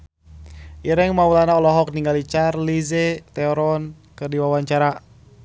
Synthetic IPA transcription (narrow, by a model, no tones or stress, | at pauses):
ʔiɾɛŋmaulanaɔlɔɦɔk̚niŋɡalit͡ʃarlizɛt̪ɛɔɾɔn | kɨrdiwawaɲt͡ʃaɾa